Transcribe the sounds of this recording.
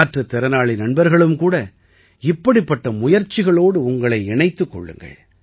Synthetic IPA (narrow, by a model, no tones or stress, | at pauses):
ʈrɐt̪ːɛɾɐnaːɭinɐɳbɐɾɣɐɭɯmkuːɽɐ | ɪpːɐɽɪpːɐʈːɐmʊjɐɾt͡ʃːɪɣɐɭoːɽɯʊŋɡɐɭɐɪɛɳɐɪt̪ːɯkːɔ̰ɭːɯ̰ŋɡɐ̰ɭ